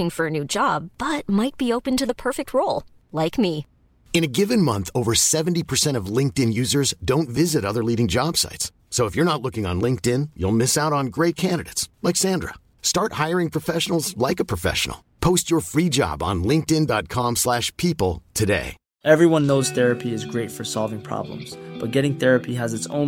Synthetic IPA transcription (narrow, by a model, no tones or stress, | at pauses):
ɪ̃ŋfə˞ɨnʉd͡ʒɑbb̥ʌt̚maɪt̚b̥ioʊpɨ̃ntɨðəpʰɜ˞fɨk̚t̚ʰɹoʊlˠ | laɪkmi | ɨ̃ñɨɡɪvɨ̃nmʌ̃nθoʊvə˞sɛṽn̩tipʰə˞sɛ̃ɾ̃ʌvlɪ̃ŋk̚tɨ̃njʉzə˞zdõʊ̃ntvɪzɨɾʌðə˞liɾɪ̃ŋd͡ʒɑb̥sa̰ɪtsː | oʊəfjə˞ñətˡlʊkɪ̃ŋə̰̃nlɪ̃ŋk̚tɪ̃njṵlˠmɪsaʊɾn̩ɡɹeɪt̚kʰæ̃ndɨɾḛɪtslaɪksæ̃ndɹə̰ | stɑɹt̚haɪə˞ɪ̃ŋpʰɹ̥ɨfɛʃn̩l̩ˠzlaɪkəpʰɹ̥ɨfɛ̰ʃə̰n̩l̩ˠ | pʰoʊst͡ʃə˞fɹid͡ʒɑ̰b̃n̩lɪ̃ŋk̚tɪ̃ndɑt̚kʰɑ̃mslæʃpʰipl̩ˠtʰɨdḛɪ | ʔɛvɹiwʌ̃nːoʊz̥θɛɹɨpʰiɨzɡɹeɪtfə˞sɑlˠvɪ̃ŋpʰɹ̥ɑ̰blə̰̃mz̥b̥ʌt̚ɡ̥ɛɾɪ̃ŋθɛɹɨpʰiɨzɨtsõ̰ʊ̃